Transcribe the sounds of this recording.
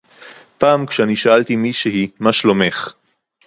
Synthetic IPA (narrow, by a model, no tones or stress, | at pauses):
paːmkʃeaniʃaalt̪imiʃehimaʃlomeχ